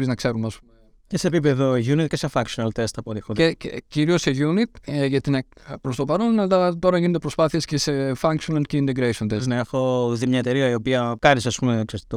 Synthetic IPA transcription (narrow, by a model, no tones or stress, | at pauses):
ɾiznɐkse̞ɾumeɐspume | ceseːpipeðo̞ʝunit̪̚cesefɐŋksionɐlt̪est̪ɐpoɾixoeciɾio̞seʝunit̪̚ʝɐt̪inepɾost̪o̞pɐɾonnɐd̪ɐt̪o̞ɾɐʝined̪epɾo̞spɐθie̞scese̞fɐŋksonɐlceint̪eɡɾeso̞nt̪eznɐexoðimɲɐet̪e̞ɾiɐio̞piɐkɐɾisɐspumeksest̪it̪o